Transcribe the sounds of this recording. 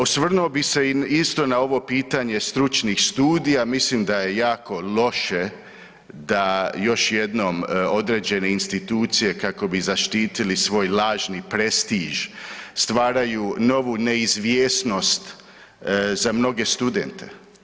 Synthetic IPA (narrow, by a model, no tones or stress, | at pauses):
osʋr̩nuobise̞ist̪o̞nao̞ʋo̞piːt̪aɲe̞st̪ɾut͡ʃnixst̪uːd̪ijamislimd̪aje̞jaːko̞lo̞ʃe̞ | d̪ajo̞ʃje̞d̪no̞mo̞d̪ɾeːd͡ʑe̞ne̞inst̪it̪uːt̪sije̞kako̞bizaʃt̪iːt̪ilisʋo̞ːjlaːʒnipɾe̞st̪iʒst̪ʋaːɾajuno̞ʋune̞izʋjeːsno̞st̪ | zamno̞ɡe̞st̪ud̪ent̪ʰe̞̰